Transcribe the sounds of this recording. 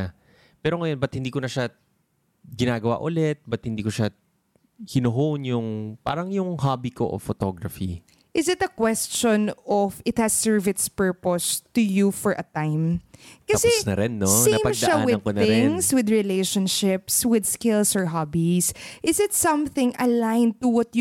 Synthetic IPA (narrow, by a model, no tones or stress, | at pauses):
pɛːɾoŋɐjonbɐt̪̚hɪnd̪iːkonɐʃa | ɡɪnaːɡɐwa̰ʔʊlɛt̪̚bɐt̪̚hɪnd̪iːkoʃa | hɪnoɦonjʊŋpa̰ːɾɐŋjʊŋɦabiko̰ʔo̰fot̪oɡɹɐfi | ʔɪsɪt̪ɐkwɛst͡ʃɔnɔfɪt̪̚hɐsɛɹvɪt̪spɛɹpɔst̪ujufɔɹʔɐt̪ãɪ̃mkɐɐsɛnɐ̰ɾɛnːosinɐpɐmɡʃɐʔawɪɐŋkonɐɪ̃nŋswɪd̪ɹɪleʃɔ̃nʃɪpswɪd̪skɪlsɔɹɦɑbisʔɪsɪt̪sɐ̃mθɪ̃ŋɐlajnt̪uwɐt̪̚j